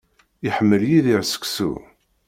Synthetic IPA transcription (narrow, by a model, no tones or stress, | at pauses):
iħəmːəljiðiʕsə̥ksṵ